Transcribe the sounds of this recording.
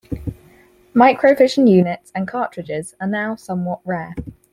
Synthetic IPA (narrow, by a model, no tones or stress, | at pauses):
maɪkʰɹəʊvɪʃʒə̃njʉːnɪtsə̃nkʰɑˑt͡ʃɹ̥ɪd͡ʒɪz̥ənaʊsʌ̃mwɒʔɹɛː